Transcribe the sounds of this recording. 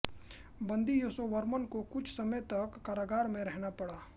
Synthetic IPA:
bɐ̃nd̪ijoːsoʋɐɾmənkokʊt͡ʃʰsɐmət̪ɐkːaːɾaːɡaːɾmẽɾɛɦnapɐɽaː

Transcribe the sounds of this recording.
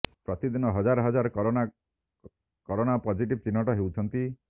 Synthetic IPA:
pɾɔt̪id̪inɔɦɔd͡ʒaɾɔɦɔd͡ʒaɾɔkɔɾona | kɔɾonapɔd͡ʒʱiʈib̚t͡ʃinːɔʈɔɦewt͡ʃʰɔnt̪i

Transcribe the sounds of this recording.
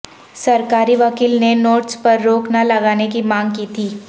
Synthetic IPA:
sɐɾkaːɾiʋɐkiːlnenoːʈspɐɾːoːknalɐɡaːnekimãːŋɡkiːt̪ʰiː

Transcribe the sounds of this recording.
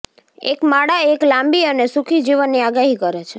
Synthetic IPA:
ḛkmaɽaeklãmbiənesukʰid͡ʒiʋənːiaɡaɦikəɾet͡ʃʰe

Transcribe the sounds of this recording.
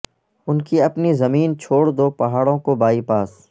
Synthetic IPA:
ʊnkiɐpnizɐmiːnt͡ʃʰoːɽd̪oːpɐɦaːɽõkobaːipaːs

